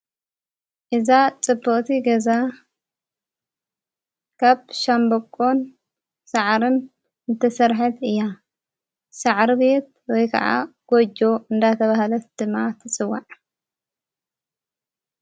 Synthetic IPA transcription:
ʔɨzat͡sʼɨbːɨχʼt̪ʰiɡɐza | kʰaβʃambɐkʼːon | saʕɾɨn | ɨt̪ʰɐsɐɾħat̪ɨjːa | saʕɾɨbe̞t̪̚wɔjkʰɐ̰ʕa̰ɡ̥od͡ʒo̞ɨnd̪at̪ʰɐβaɦlɐt̪d̪̥ɨmːat̪ʰɨt͡sʼɨwːaʕ

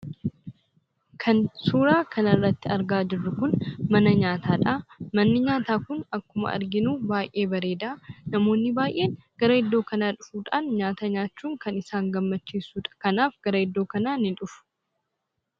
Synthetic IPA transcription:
kʰɐnsuːɾaːkʰɐnɐrːɐt̪ːɪɐɾɡaːd͡ʒɪrːʊkʊnmɐnɐɲaːt̪ʰaːᶑaːmɐnːɪɲaːt̪aːkʊnɐkːʊmɐ̰ʔɐ̰ɾɡɪnuːbaːjʔʔe̞ːbɐɾe̞ːd̪ɐnɐmo̞ːnːɪbaːjʔe̞ːnɡ̥ɐɾɐɪd̪ːo̞ːkɐnaːᶑʊfuːᶑaːnɲaːt̪ɐɲaːt͡ʃːuːŋkɐnɪsaːŋɡɐmːɐt͡ʃːiːsuːᶑɐ̥kɐnaːfɡ̥ɐɾɐɪd̪ːo̞ːkɐnaːnɪᶑʊfʊ̥

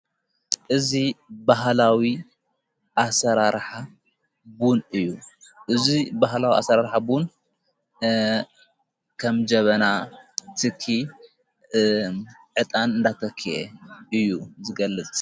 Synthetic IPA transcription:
ʔɨzibaɦlawi | ʔasɐɾaɾħa | bunɨjːuʔɨzibaɦlawiʔa̰sɐɾaɾħabun | kʰɐmd͡ʒɐβɐnat̪ʰɨkʰːi | ʕɨt̪ʼanɨnd̪at̪ʰɐkʰːiʔḛɨjːuzɨɡɐlːɨt͡sʼ

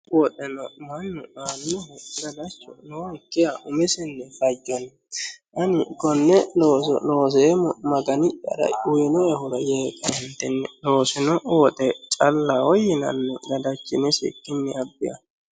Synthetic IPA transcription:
wɔt̪ʼɛnɔmɐnːʊanːɔhɛɪɡɐd̪ɐt͡ʃːɔnɔhɛkːɪjaʔʊmɛsɪnːɛfɐd͡ʒːɔn | ʔɐnɪkɔnːɛloːsloːs̬eːmɐɡɐnɪt͡ʃʼːɐ̰ɾɐ̰ʊjɛnɔɛhʊɾɐjeːkʼːɐhɪnt̪ːɛnːɛloːsɪnɔwɔt̪ʼɛt͡ʃʼɐlːaːwɔjɪnɐ̰nːɔɡɐd̪ɐt͡ʃːɪnɪsɪ̰kːɪnːɛɐbːɪjɐ̰

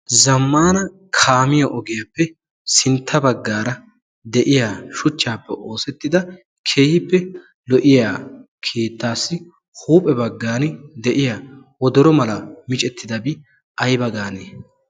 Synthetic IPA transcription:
zɐmːaːnɐ | kʰaːmɪjɐʔɔɡɪjɐpːɛ | sɪnt̪ʰːɐbɐɡːaːɾɐ | d̪ɛʔɪjaːʃʊt͡ʃːaːpːɛʔo̞ːsɛt̪ːɪd̪ɐ | kʰeːhɪpːɛ | lɔʔɪjaː | kʰeːt̪ːaːsːɪ | huːpʼɛbɐɡːaːnɪd̪ɛʔɪja | wɔd̪ɔɾɔmɐlɐmɪt͡ʃʼɛt̪ːɪd̪ɐbɪ | ɐjbɐɡaːneː

